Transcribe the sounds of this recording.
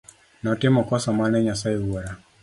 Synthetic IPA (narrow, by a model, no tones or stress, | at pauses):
nɔtimɔkɔsamanɛɲasaiwɔɾa